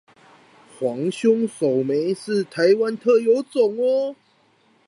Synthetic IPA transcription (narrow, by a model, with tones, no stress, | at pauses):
xwɑ˧˥ŋɕjʊ˥ŋso˨˩ʊme˨˦ɪʂɻ̩˥˨t̪ʰa˨˦ɪwa˦nt̪ʰɤ˥˩jo˧˥ʊt͡sʊ˨˩ŋɔ˦